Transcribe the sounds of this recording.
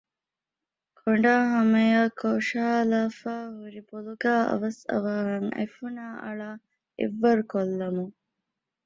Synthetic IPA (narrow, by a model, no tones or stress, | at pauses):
kʰoɳɖaːɦɐmɐjaːkʰoːʃaːlaːfaːɦuɾiboluɡaːʔɐ̰ʋɐsɐ̰ʋaːɦɐŋɐ̰jfunaːʔɐ̰ɭaː | ḛʋːɐɾkolːɐmu